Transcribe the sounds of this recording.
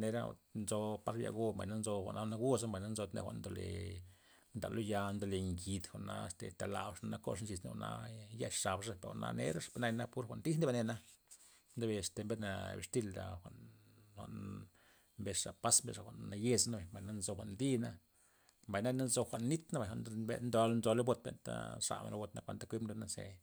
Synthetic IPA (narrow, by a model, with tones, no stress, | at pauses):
ne˧ɾa̰˦˨nzo˧pa˧ɾja̰˨ɡo˦mba̰˨jna˦nzo˧xʷa̰˨ʔnʔa˦˧˦na˦ɡu˦sa˦mba˨jna˦nzo˧t̪nḛ˧xʷa̰˨ʔnd̪o˧lḛ˨ | nd̪a̰˨lo˦ja˧nd̪o˧˨le˨ŋɡi˧d̪xʷa˨ʔna˧st̪ḛ˨t̪a˨la̰˨bʂna˧na˦ko̰˦ʂnt͡ʃi˧sna̰˦˨na̰˦ja˦ʃʂa˨bʂa˦pe˨ɾo̰˨na̰˧nḛ˦ɾa˦ʂbe˧na˧jna˦pu˦ɾxʷa˨ʔnd̪i˦snd̪e˦be˧ne˧na˦ | nd̪e˦be˧st̪e˨mbe˦na̰˧bḭ˨˧ʂt̪i˧ld̪a̰˨xʷa˨ʔn | xʷa̰˨ʔn | mbe˧ʂʂa˨pa˦smbḛ˧ʂa˨xʷa˨nːa˧je˧zna˦ba˨mba˨na˦nzo˧xʷa˨ʔnd̪i˦na˦ | mba˨jna˦na˦nzo˧xʷa˨nːi˦t̪na˦ba˨xʷa˨nd̪be˧nd̪o˧lnzo˧le˦bo˧t̪̚bḛ˨nt̪a̰˦ʂa̰˨mḛ˧ɾa˧bo˧t̪na˦kʷa̰˧nt̪a˦kʷi˦bnlo˧na˦sḛ˧˨